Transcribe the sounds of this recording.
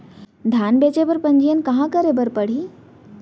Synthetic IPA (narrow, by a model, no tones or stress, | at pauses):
d̪ʱjaːnbeːt͡ɕebɐɾpɐ̃ɲd͡ʑijənɪ̆kɐɦãkəɾebɐɾpɐɽ̤iː